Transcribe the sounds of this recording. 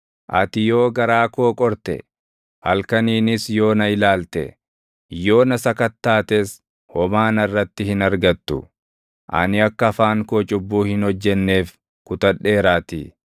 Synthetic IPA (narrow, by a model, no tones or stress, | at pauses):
ʔɐ̰t̪ɪjo̞ːɡɐɾaːko̞ːkʼɔɾt̪ɛ̰ | hɐlkɐniːnɪsjo̞ːnɐɪlaːlt̪ɛ̰ | jo̞ːnɐsɐkɐt̪ːaːt̪es | hɔmaːnɐrːɐt̪ːɪhɪnɐɾɡɐt̪ːʊ | ʔɐ̰nɪɐkːɐːfaːŋkoːt͡ʃʼʊbːuːhɪnhɔd͡ʒːɛnːe̞ːf | kʊt̪ɐᶑe̞ːɾaːt̪ḭ